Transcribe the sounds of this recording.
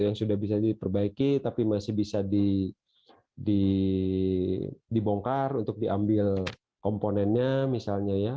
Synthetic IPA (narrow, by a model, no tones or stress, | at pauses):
jaŋsudahbis̬adipərbaikit̪apimasɪhbisadi | di | diboŋkarunt̪ʊk̚diʔambɪl | komponɛnɲamisalɲaja